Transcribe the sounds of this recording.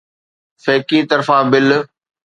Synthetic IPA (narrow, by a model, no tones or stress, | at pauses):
feːkit̪ɐɾfãːbɪl